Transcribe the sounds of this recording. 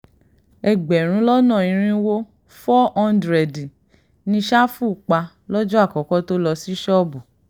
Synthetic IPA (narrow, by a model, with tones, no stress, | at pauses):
ɛ˨ɡ͡bɛ˨ɾ̃ũ˧˦lɔ˦nã˦˨ĩ˨˧ɾ̃ĩ˧˦wo˦ | fɔ˦ɔ̃˦ndɾɛ˨di˨ | nĩ˧ʃa˦fu˦˨k͡pa˧ | lɔ˦d͡ʒu˦a˦˨kɔ˨˦kɔ˦to˦lɔ˧si˦ʃɔ˦bu˨